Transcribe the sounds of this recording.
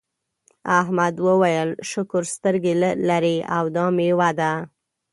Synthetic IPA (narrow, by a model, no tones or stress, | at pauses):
aɦmad̪wəwajəlʃʊkʊɾst̪əɾɡellaɾeawd̪ɑmewad̪a